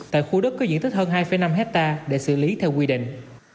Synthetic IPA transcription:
t̪a̰ː˧˨jxu˧ɗə˦˥k̚kɔ˨˦zḭ˧˥˨nt̪ʰi˦˥həː˧nɦaː˧jfə˨˦jna˧mɦɛ˦˥t̚t̪aː˧ɗḛ˧˩sɨ̰˧˩li˨˦t̪ʰɛ˧wkwi˧ɗḭ̈˧˨ŋ̟

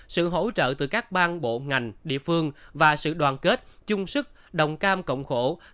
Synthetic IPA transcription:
sɨ̰˧˨ɦo̰˧˥t͡ɕə̰ː˧˨t̪ɨ˨˩kaː˦˥k̚ɓaː˧nɓo̰˧˨ŋa˨˩jŋ̟ɗḭ˧˨əfɨ˧əŋvaː˨˩sɨ̰˧˨ɗwaː˨˩nke˦˥t̚t͡ɕʊ˧ŋ͡msɨ˦˥k̚ | ɗə˨˩wŋ͡mkaː˧mkə̰˧˨wŋ͡mxo˧˩

